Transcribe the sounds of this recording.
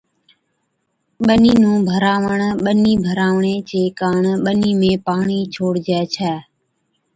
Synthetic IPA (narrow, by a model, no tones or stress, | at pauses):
ɓəniːnũːbʱəɾaːʋəɳ̃ɓəniːbʱəɾaːʋɳeːt͡ʃeːkaːɳɓəniːmẽːpaːɳiːt͡ʃʰoːɽd͡ʒɛːt͡ʃʰɛː